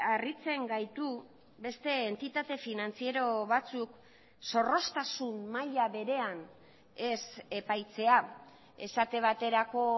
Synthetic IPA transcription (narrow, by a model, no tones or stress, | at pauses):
arit͡se̞ŋɡajt̪u | be̞st̪e̞ːnt̪it̪at̪e̞finant͡sie̞ɾo̞βat͡suk | so̞ro̞st̪asummaʎaβe̞ɾe̞an | e̞se̞pajt͡se̞a | e̞̰sat̪e̞β̞at̪e̞ɾako̞